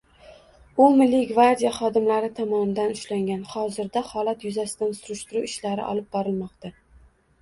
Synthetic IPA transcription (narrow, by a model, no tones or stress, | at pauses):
ʊmɪlːiɡvaɾd̪ijaχɒd̪ɪmlaɾɪt̪ʰɒmɒnd̪anʊʃlaŋɡʲanhɒzɪɾd̪ahɒlat̪jʊzasɪd̪ansʊɾʊʃt̪ɪɾuɪʃlaɾɪ̰ʔɒ̰lˠɪp̚bɒɾɪlmɒqt̪a